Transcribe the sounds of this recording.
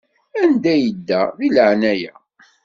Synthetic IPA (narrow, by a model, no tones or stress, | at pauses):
ænd̪æjəd̪ːæðiləʕnæjæ̰